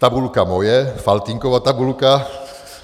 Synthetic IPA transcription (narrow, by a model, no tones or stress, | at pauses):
t̪abulkamojɛfalt̪iŋkovat̪abulka